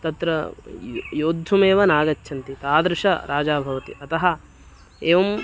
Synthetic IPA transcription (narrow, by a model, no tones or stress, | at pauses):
t̪ɐt̪ɾɐ | joːd̪ʱːumeːʋɐnaːɡɐt͡ʃːʃʰɐnt̪it̪aːd̪ɾɪʂɐ̰ɾaːd͡ʒaːbʱɐʋɐt̪ḭʔɐt̪ɐɦɐ | eːʋɐm